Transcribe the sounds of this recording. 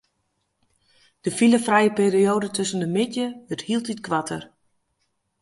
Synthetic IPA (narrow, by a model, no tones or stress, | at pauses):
d̥əfiləfrɛjəpeːrioːdətʰøsəndəmɪtjəəthilˠtitkʋatʰə̰r